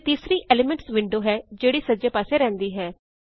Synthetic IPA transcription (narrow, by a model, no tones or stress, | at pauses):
t̪iːsɾiːʔeːleːmɛ̃ɳʈsʋɪɳɖoːɦɛːd͡ʒeːɽiːsəd͡ʒeːpaːseːɾɛ̃ːnd̪iːɦɛː